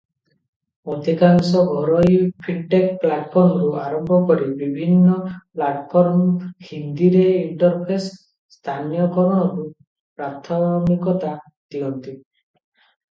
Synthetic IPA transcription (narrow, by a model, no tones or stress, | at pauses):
od̪ʱikaŋsɔɡʱɔɾɔjpʰiʈʈekplaʈpʰɔɾmɔɾuʔaɾɔmbʱɔkɔɾibibʱinːɔplaʈpʰɔɾmhind̪iɾeiɳʈɔɾpʰes | st̪ʰanjɔkɔɾɔɽ̃ɔɾu | pɾat̪ʰːabmikɔt̪a | d̪̥iɔnt̪i